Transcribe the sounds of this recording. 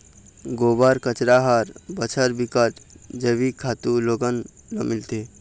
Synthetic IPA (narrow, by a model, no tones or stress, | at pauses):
ɡobaɾkət͡ʃɾaɦaɾbət͡ʃʰəɾbikəʈd͡ʒəʋikʰat̪uloɡənlomilt̪e